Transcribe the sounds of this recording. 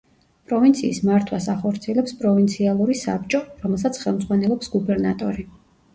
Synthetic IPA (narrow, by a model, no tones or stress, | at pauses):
pʼɾɔvint̪sʰiːsmaɾt̪ʰwasaχɔɾt̪sʰiɛlɛpspʼɾɔvint̪sʰialˠuɾisa̰pt͡ʃʼɔɾɔmɛlˠs̬at̪sʰχɛlˠmdzʁwanɛlˠɔpsɡ̥ubɛɾnat̪ʼɔɾi